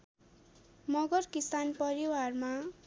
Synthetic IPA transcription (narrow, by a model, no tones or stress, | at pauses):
mʌɡʌrkisanpʌɾiwarma